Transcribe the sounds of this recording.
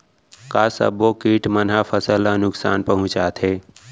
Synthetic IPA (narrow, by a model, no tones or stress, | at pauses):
kaːsə̰bokiːʈmənɦapʰəsələnʊksa̰ːnpəɦʊ̃t͡ʃaːt̪ʰe